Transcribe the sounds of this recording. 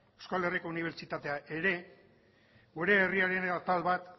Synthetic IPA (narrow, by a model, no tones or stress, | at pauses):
ewskale̞riko̞uniβ̞e̞ɾt͡ʃit̪at̪e̞aʔe̞ɾe̞ | ɡuɾe̞ːriaɾe̞nat̪alβat̪